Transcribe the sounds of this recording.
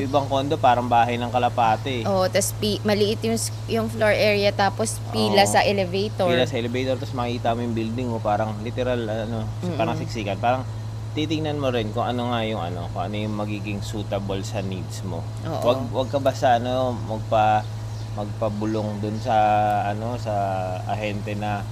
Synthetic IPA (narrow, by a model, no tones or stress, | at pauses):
jʊʔɪbɐŋko̞ːnd̪o̞paːɾɐŋbaːɦɐjnɐŋkɐlɐpaːt̪ɛʔoːʔot̪ɐspimɐlɪʔɪt̪jʊŋ | jʊŋfloɹʔɛɹjɐt̪aːpospʔiːlasɐʔɛlɛvɛjt̪oiːlasɐʔɛlɛvɛjt̪oɾt̪ɐsmɐkiːt̪ɐmojʊŋbild̪ɪŋmopaːɾɐŋlɪt̪ɛɾalʔɐno̞ | paːɾɐŋsɪk̚siːkɐnpaːɾɐŋ | t̪it̪ɪŋnɐnmoɾɪnkʊŋʔɐno̞ŋajʊŋɐ̰no̞̰kʊŋʔɐ̰nojʊŋmɐɡiːɡɪŋsuːt̪ɐbolsɐnid̪smo̞̰ | ʔo̰ːʔwɐɡ̚wɐɡ̚kɐbasaʔɐnomɐɡ̚pɐ | mɐɡ̚pɐbʊloŋd̪ʊnsɐʔɐno̞sɐ | ɐ̰hɛnt̪ɛnɐ